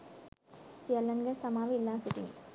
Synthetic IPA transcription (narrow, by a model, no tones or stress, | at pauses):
sɪɐlːɐŋɡɐɭsɐmaːʋɯɪlːaːsʊʈːɪ̰ŋ